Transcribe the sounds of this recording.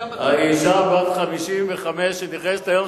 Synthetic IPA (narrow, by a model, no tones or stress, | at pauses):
haiʃabat̪χamiʃimveχameʃeniχese̥t̪ajom